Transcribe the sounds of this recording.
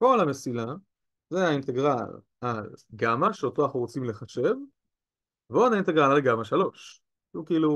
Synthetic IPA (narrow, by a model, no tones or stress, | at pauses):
ko̞lamesila | zeainte̞ɡʁal | alɡamaʃeoto̞aχnuʁot͡simle̞χaʃe̞v | veodaint̪eɡʁalalɡamaʃalo̞ʃ | ʃukiilu